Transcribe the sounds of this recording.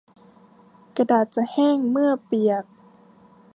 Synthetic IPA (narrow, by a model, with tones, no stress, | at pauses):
ka˧daː˨˩t̪̚t͡ɕa˨˧˩hɛː˥˩ŋmɯ˥˩əpi˨˩ək̚